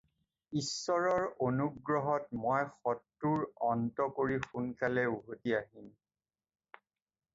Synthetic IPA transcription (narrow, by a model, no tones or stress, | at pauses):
isːɔɹɔɹonuɡɹɔɦɔtmojxɔtːuɹɔntɔkoɹixunkalɛuɦotiaɦim